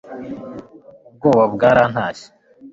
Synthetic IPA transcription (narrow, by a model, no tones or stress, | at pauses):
ub̚ɡoːβabɡaːɾaːn̥haːɕi̥